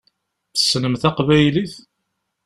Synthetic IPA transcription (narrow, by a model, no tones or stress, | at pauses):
θə̥snəmθæqvæjliθ